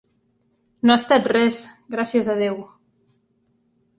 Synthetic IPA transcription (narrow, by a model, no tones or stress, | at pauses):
noast̪at̪resɡɾasiəzað̞ew